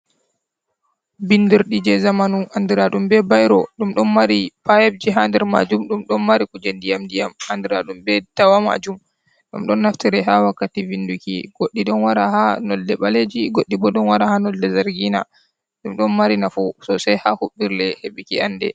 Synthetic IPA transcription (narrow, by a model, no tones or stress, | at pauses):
bindiɾɗid͡ʒɛzamanuandiɾaɗumbɛbajɾɔɗumɗɔnmaɾipajeb̚d͡ʒiɦandɛɾma̰d͡ʒumɗumɗɔnmaɾikud͡ʒendijamdijamandiɾa̰ɗumbɛtawama̰d͡ʒum | ɗumɗɔnːaftiɾɛɦawakːativindukḭɡ̥oɗːiɗɔnwaɾahanɔlːɛɓaled͡ʒiɡoɗːibɔɗɔnwaɾahanɔlːɛzaɾɡina̰ | ɗumɗɔnmaɾinafusɔsajhahuɓːiɾlɛheɓikiandɛ̰